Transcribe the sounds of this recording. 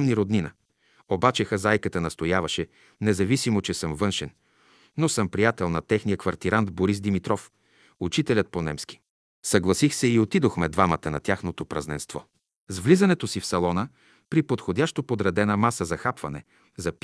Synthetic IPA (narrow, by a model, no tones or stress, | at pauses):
mniɾod̪ninə | obat͡ʃɛxɐzajkət̪ənɐst̪ojavɐʃɛ | nɛzɐvisimot͡ʃɛsɤmvɤnʃɛn | nosɤmpɾijat̪ɛlˠnɐt̪ɛxnijəkvɐɾt̪iɾand̪boɾis̬d̪imit̪ɾɔf | ut͡ʃit̪ɛlʲət̪̚ponɛ̰mski̥ | sɐɡlˠɐsixsɛiot̪id̪oxmɛd̪vamət̪ənɐt̪ʲjaxnot̪opɾɐznɛ̰nst̪vɔ̰ | zvlizɐnɛt̪osifsɐlˠɔnə | pɾipot̪xod̪ʲaʃt̪opod̪ɾɐd̪ɛnəmasəzɐxapvɐnɛ̰ | zɐp